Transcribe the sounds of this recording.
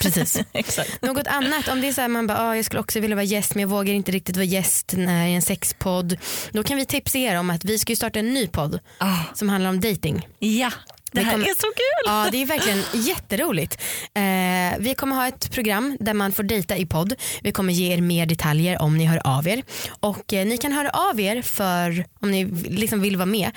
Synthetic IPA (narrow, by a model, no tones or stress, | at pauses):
pʰɾɛsiːssaknoːɡɔt̪ʰanːat̪ɔmd̪ɛæsɔæɾmanbɑːʔɑːjɑɡskɵləɔksɔvɪljavɑːɾajɛst̪mɛnjɑːɡvoːɡaɾɪnt̪əɾɪk̚t̪ɪt̪vɑːɾajɛst̪nɛɪɛnsɛkspʰɔd̪ːd̪ɔkʰanvɪt̪ʰɪpsaeːɾɔmat̪vɪskajɵst̪ɑːʈaɛnːyːpʰɔd̪ː | ɑsɔmhanlaɾɔmd̪ɛjt̪ɪŋjad̪kɔmːsɔkʉːlɑːd̪ɛæɾvæɾklɪɡənjɛt̪ːəɾuːlɪt̪ː | vɪkʰɔmːəɾɦɑːɛt̪pʰɾʊɡɾamːd̪æɾmanfoːɖɛjt̪aɪpʰɔd̪ːvɪkʰɔmːəɾjeːeːɾmeːɖɛt̪ʰaljəɾʔɔ̰mnɪɦœːɾ̰ʔa̰veːɾʔɔkːnɪkʰanɦœːɾa̰ʔaveːɾfœɾɔmnɪlɪksɔmvɪlvɑːmeː